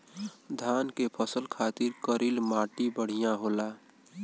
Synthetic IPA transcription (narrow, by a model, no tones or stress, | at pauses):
d̪ʱaːnkepʰəsəlkʰaːt̪ɪɾkəɾilmaːʈibəɽ̤ijãɦoːla